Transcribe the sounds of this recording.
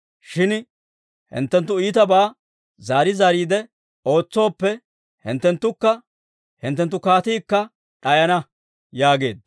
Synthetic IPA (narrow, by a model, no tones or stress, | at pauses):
ʃɪn | hɪ̰nt̪ːɛnt̪̬ːʊiːt̪ɐbaː | zaːɾɪzaːɾiːd̪ɛ | o̞ːt͡sːo̞ːpːɛ | hɪ̰nt̪ːɛnt̪ːʊkːɐ | hɪnt̪ːɛnt̪ːʊkaːt̪iːkːɐ | ᶑɐjɐnɐ | jaːɡe̞̰ːd̪